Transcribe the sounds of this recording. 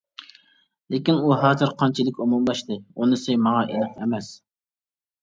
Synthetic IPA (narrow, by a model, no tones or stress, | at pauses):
lɪkʲinuɦɑːzɨɾqʰɑnt͡ʃʰilɪkʲumumbɑʃt̪ɨunɨsɪmɑʁɑʔelɨqɛmɛs